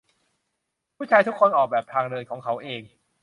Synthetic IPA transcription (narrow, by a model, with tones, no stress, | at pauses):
pʰuː˥˩t͡ɕʰaː˧jt̪ʰu˦˥kʰːo˧nʔɔː˨˩k̚bɛː˨˩p̚t̪ʰaː˧ŋɾɤː˧jkʰɔː˩˦ŋkʰa˦˥wʔeː˧ŋ